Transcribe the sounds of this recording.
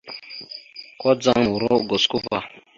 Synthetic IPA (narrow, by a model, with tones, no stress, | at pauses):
kɔ˦d͡za˦ŋmu˨ɾo˦ɡo˨sku˦va˦˨